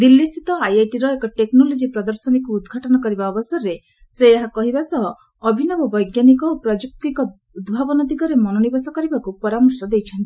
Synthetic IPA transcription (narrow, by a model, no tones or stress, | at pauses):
d̪ilːist̪ʰit̪ɔajejʈiɾɔekɔʈeknɔlod͡ʒipɾɔd̪ɔɾsɔnikuːd̪ɡʱaʈɔnɔkɔɾibaɔbɔsɔɾːe | seːɦakɔɦibasɔɦɔː | bʱinɔbɔbɔjɡjanik̬ɔopɾɔd͡ʒuk̚t̪ikɔ | ud̪bʱabɔnɔd̪iɡɔɾemɔnɔnibasɔkɔɾibakupɔɾamɔɾsɔd̪ejt͡ʃʰɔnt̪i